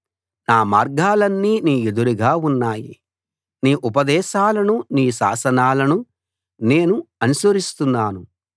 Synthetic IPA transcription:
naːmaːɾɡaːlɐnːiːniːed̪uɾuɡaːunːaːjḭ | niːʔupɐd̪ɛːʃaːlɐnuniːʃa̰ːsɐnaːlɐnu | ne̞ːnuɐnusɐɾist̪unːaːnu

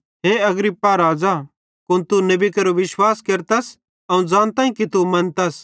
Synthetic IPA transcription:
ɦeːɐɡɾipːaɾaːd͡za | kʊnt̪unɐbikɐɾoʋɪʃwaːskeːɾt̪ɐs | ɐũd͡zãːnt̪aːĩkit̪umɐ̃nt̪ɐs

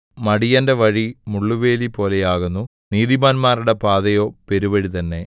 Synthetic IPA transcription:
mɐɽijɐndeʋɐɻimuɭːuʋe̞ːlipo̞ːlejaːɣunːu | niːðimaːnmaːruɽe̞paːðɐjo̞ːpe̞ɾuʋɐɻit̪ɐnːe̞

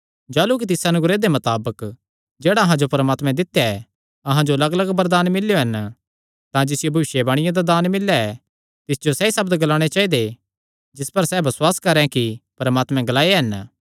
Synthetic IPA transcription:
d͡ʒaːluk̬it̪ɪsɐnʊɡɾed̪emɐt̪aːbək | d͡ʒeːɽaɐɦãd͡ʒopɐɾmaːt̪mɛ̃d̪ɪt̪jaɛ | ɐɦãd͡ʒoɐləɡələɡbɐɾd̪aːnmɪljoɦɐn | t̪ãd͡ʒɪsɪjobʱɐʋɪʃjebaːɽ̃ɪ̃jãd̪ad̪aːnmɪlːaɛ | t̪ɪsd͡ʒosɛisɐbd̪ɡɐlaːɽ̃et͡ʃaːid̪e | d͡ʒɪspɐɾsɛbɐswaːskɐɾɛ̃kipɐɾmaːt̪mɛ̃ɡɐlaːeɦɐn

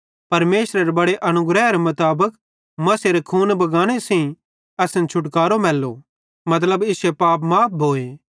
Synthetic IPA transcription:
pɐɾmeːsɾeɾebɐɽeʔɐnʊɡɾɛɦɾemʊt̪aːbək | mɐseɾekʰuːnbɐɡaːɽ̃esẽ | ɐsɪ̃nt͡ʃʰʊʈkaːɾomɛːlːo̰ | mɐt̪̬ləbɪsepaːpmaːp̚ʰbʱoːe

